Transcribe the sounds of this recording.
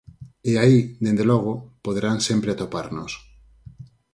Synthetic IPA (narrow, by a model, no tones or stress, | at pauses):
eaid̪end̪eloɣ̞opoðeɾansempɾeat̪opaɾno̰s